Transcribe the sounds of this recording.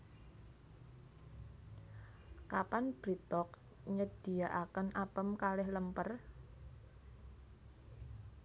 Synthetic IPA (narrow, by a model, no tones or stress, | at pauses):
kapanb̥ɾit̪ɔk | ɲəd̥i̤aʔakənʔapəmkalɪhləmpər